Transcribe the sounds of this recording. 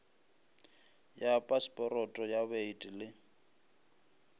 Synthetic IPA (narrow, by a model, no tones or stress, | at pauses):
japʼaspʼɔɾɔtʼɔjabeitʼilɪ